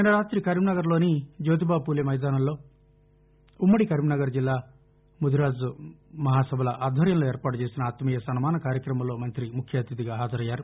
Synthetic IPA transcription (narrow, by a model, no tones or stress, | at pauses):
ɐnɐɾaːt̪ɾikɐɾimnɐɡɐɾlo̞ːnid͡ʒoːt̪̬ibaːb̚puːlemɐjd̪aːnɐmlo̞ː | umːɐɽikɐɾminɐɡɐɾd͡ʒilːaː | mud̪uɾaːd͡ʒumɐɦaːsɐbʱɐlɐʔaːd̪ʱʋɐɾjɐnlo̞ːeːɾpaːʈut͡ʃe̞ːsinɐaːt̪ɐmijɐsɐnumaːnɐkaːɾjɐkɾɐmɐmlo̞ːmɐnt̪ɾimukʰjaːt̪ɾid̪iɡaːɦaːd͡ʒɐɾɐjːaːɾu